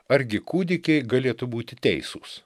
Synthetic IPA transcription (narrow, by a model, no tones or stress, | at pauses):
ɐɾʲɡʲɪkuːd̪ʲɪkʲɛɪɡɐlʲeːt̪ʊbuːt̪ʲɪt̪ʲɛɪsuːs